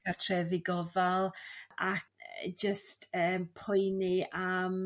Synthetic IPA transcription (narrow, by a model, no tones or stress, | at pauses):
atʰrɛvɪɡɔvalˠakd͡ʒəstʰəːmpʰʊjniam